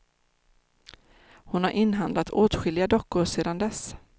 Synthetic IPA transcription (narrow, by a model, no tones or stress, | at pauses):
hʊnhaɾʔɪnːɦand̪lat̪ʰoːt̪ɧɪlɪɡad̪ɔkːʊseːd̪and̪ɛs